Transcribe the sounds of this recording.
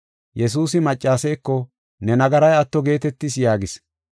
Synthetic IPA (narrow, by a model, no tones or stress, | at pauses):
jɛs̬uːsɪmɐt͡ʃʼːaːsɛjkːɔ | nɛnɐɡɐɾɐjɐt̪ːɔɡe̞ːt̪ɛt̪ːɪsjaːɡɪs